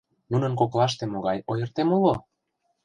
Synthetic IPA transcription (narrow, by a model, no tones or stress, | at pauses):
nunənkoklɑʃ̬t̪emoɣɑjojə̆rt̪emulo